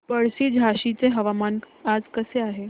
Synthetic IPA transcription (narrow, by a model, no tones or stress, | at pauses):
pəɽsid͡ʒʱaʃit͡seɦɐʋamaːn | aːd͡zkəseaːɦe